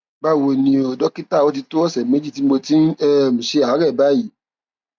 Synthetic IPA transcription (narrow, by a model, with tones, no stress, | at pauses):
ɡ͡ba˦˨wo˨nĩ˧o˨dɔ˦ki˦ta˦˨o˦ti˧to˦ɔ˦˨sɛ˨me˨˦d͡ʒi˦˨ti˦mo˧ti˦n̩˦ɛ˦˨m̩̃˨ʃe˧˦a˨a˨˦ɾɛ˦˨ba˦˨ji˨˦